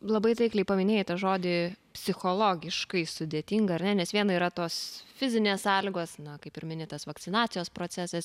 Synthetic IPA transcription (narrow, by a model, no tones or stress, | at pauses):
lˠɐbɐɪt̪ʲɐɪklʲɛɪpɐmʲɪnʲeːjt̪ɐʒoːd̪ʲɪpʲsʲɪxolˠoːɡʲɪʃkɐɪsʊd̪ʲeːt̪ʲiŋɡɐɐɾnʲɛnʲɛsʋʲiɛnɐiːɾɐt̪oːsfʲɪzʲɪnʲeːssɑːlʲɪɡoːsnɐkɐɪpɪɾmʲɪnʲɪt̪ɐsʋɐktt͡s̪ʲɪnɑːt͡s̪ʲɪjoːspɾoːt͡s̪ʲæsɛs